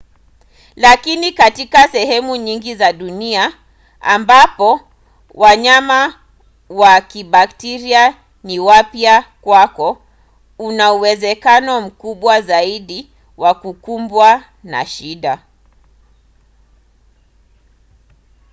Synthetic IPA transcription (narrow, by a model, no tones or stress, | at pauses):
lakinikatikasɛɦɛmuɲiŋɡizaɗunia | ambapɔ | wʔaɲama | wakiɓak̚tɛɾia | niwapiakwakɔ | unauwɛzɛkanɔm̩kuɓwazaiɗi | wakukumbwa | na̰ʃiɗa